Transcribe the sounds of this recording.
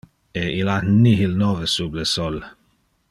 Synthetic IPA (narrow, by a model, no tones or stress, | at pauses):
eilatnːiɦilnɔvəsubləsɔl